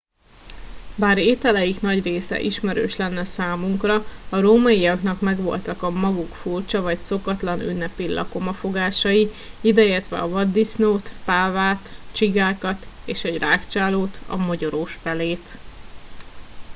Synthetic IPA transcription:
baːɾeːt̪ɛlɛjiknɒɟreːsɛ̰ʔiʃmɛɾø̰ːʃlɛnːɛsaːmuŋkrɒɒɾoːmɒijɒknɒkmɛɡʋo̞̰lt̪ɒkɒmɒɡukfurt͡ʃɒvɒcso̞kɒt̪lɒny̰nːɛpilʔɒ̰ko̞mɒfo̞ɡaːʃɒi | id̪ɛeːrt̪ʋɛ̰ɒvɒd̪ːisnoːt̪paːvaːt̪t͡ʃiɡaːkɒt̪eːʃɛɟraːkt͡ʃaːloːt̪ɒ̰moɟoɾoːʃfɛleːt̪

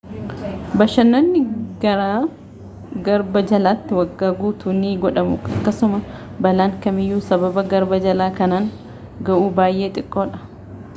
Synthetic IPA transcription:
bɐʃɐnːɐnːɪɡɐɾaː | ɡɐɾbɐd͡ʒɐlaːt̪ːɪwɐɡːaːɡuːt̪ʰuːniːɡɔᶑɐmʊ̰ɐkːɐsʊmɐbɐlaːŋkɐmɪjːuːsɐbɐbɐɡɐɾbɐd͡ʒɐlaːkɐnaːŋ | ɡɐʔuːbaːjʔe̞ːt̪ʼɪkʼːo̞ːᶑɐ̥

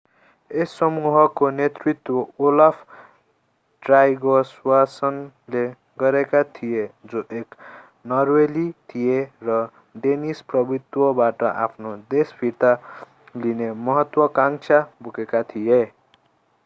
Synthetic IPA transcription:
esːʌmuɦʌkonet̪rit̪wʌolapʰ | ʈrajɡʌswasʌn | le | ɡʌɾekat̪ʰijed͡zoʔek | nʌrwelit̪ʰijerʌ | ɖenisprʌbit̪wʌbaʈʌʔa̰pʰnod̪esbʰʱiɾt̪a | linemʌɦʌt̪wʌkaŋt͡ʃʰabuɡekat̪ʰije

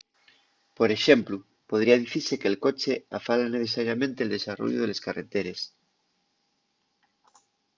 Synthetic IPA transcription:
po̞ɾe̞ʃe̞mplu | po̞ð̞ɾiað̞iθiɾse̞keːlkot͡ʃeafalaneθe̞saɾjamẽnt̪e̞ːld̪e̞saro̰ʝjoð̞e̞le̞skaret̪eɾe̞s

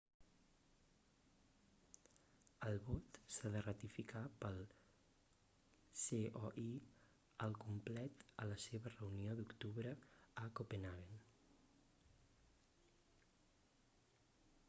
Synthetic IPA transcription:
əlˠβɔt̪saðərət̪ifikapəlˠ | seɔʔi | əlˠkumplɛt̪ələseβ̞ərəuniod̪ukt̪uβɾəəkopenaɣen

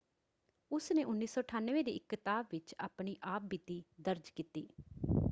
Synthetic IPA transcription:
ʊsneːʔʊnːiːsɔːəʈʰaːnːʋeːd̪eːɪkːət̪aːbʋɪt͡ʃa̰ːpɳiːʔaːp̚bit̪iːd̪əɾd͡ʒkiːt̪iː

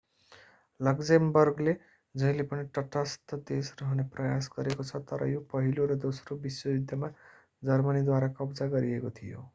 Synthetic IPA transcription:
lʌɡd͡zembʌrɡle | d͡zʌĩlepʌniʈʌʈʌst̪ʌd̪esrʌɦʌneprʌjasɡʌɾekot͡sʰʌt̪ʌɾʌ̰jopʌɦiloɾʌd̪osrobiswʌbid̪jʌma | d͡zʌrmʌnid̪waɾakʌbd͡zaɡʌɾiekot̪ʰijo̰

